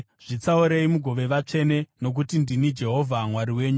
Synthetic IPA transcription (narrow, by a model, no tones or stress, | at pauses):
ʐ̥it͡sauɾe̞imuɡʱo̞ʋe̞ʋat͡ʂe̞ne̞no̞k̬utindinid͡ʒe̞ɦo̞vʱamwaɾiwe̞ːɲu